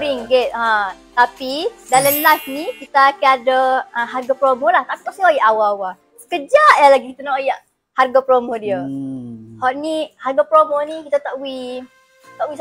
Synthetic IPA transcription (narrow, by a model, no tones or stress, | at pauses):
ɾiŋɡɛt̪̚ãt̪apidaləmlasnikit̪aːkaadəə̃ɦarɡapɾomolaht̪api̥t̪ɔʔsiojaʔawaːwa | səkəd͡ʒaʔjalaɡikit̪anɔʔojaʔ | harɡapɾomodiə | hɔʔniharɡapɾomonĩkit̪at̪aʔwi | t̪aʔwis